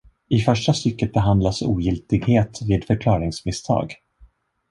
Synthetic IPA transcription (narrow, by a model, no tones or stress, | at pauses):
ɪfœʂʈast̪ʏkːət̪̚bɛɦand̪lasṵːjɪlt̪ɪɡheːt̪viːd̪fœɾkʰlɑːɾɪŋsmɪst̪ʰɑ̰ːɡ